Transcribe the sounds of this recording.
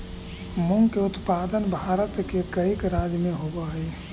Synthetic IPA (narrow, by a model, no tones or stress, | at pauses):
muŋɡkeʊt̪pad̪ənbʱaːɾət̪kekəikɾad͡ʒmẽɦobaɦəɛ